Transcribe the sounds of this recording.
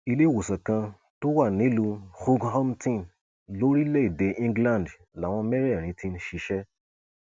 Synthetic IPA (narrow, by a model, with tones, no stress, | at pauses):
i˧le˦˨wo˨sã˨kã˧ | to˦wa˦˨nĩ˨˦lu˧xu˦ɡhɔ˦mtĩ˦˨ | lo˨˦ɾi˦le˦i˦˨de˨˧ʔĩ˧ŋɡlã˦˨d | la˨w̃ɔ̃˧˦mɛ˦ɾɛ˦˨ɾ̃ĩ˧˦ti˧n̩˦ʃi˧ʃɛ˦